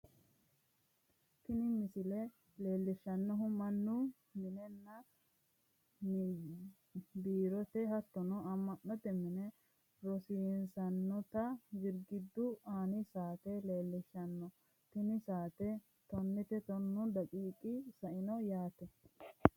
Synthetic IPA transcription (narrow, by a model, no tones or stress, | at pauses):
k̪ɪnɪmɪsɪlɛ | le̞ːlːɪʃːɐnːɔɦʊmɐnːʊ | mɪnɛnːɐ | biːɾɔt̪ɛɦɐt̪ːɔnɔɐmːɐnːɔt̪ɛmɪnɛ | ɾɔsiːnsɐnːɔt̪ɐɡɪɾɡɪd̪ːʊaːnɪsaːt̪ɛle̞ːlːɪʃːɐnːɔ | t̪ɪnɪsaːt̪ɛ | t̪ɔnːɪt̪ɛt̪ɔnːʊd̪ɐkʼiːkʼɪsɐʔɪnɔjaːt̪ɛ